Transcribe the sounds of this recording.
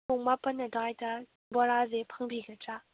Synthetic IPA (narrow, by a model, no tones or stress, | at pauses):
ʊŋmapənːədajta | bɔɾazepʰəŋbiɡəʈ͡ʂa